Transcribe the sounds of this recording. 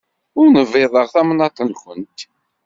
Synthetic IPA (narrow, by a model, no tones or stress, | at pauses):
ʊɾnəveðˤəʁθæmnɑt̪ˤənkʷənt̪